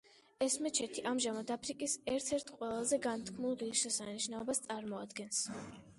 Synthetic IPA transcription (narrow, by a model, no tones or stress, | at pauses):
ɛsmɛt͡ʃʰɛt̪ʰiʔamʒamad̪apʰɾikʼisɛɾt̪ʰɛɾt̪ʰqʼwɛlˠazɛɡant̪ʰkʰmulˠʁiʃɛsaniʃnaɔbast̪sʼaɾmɔad̪ɡɛns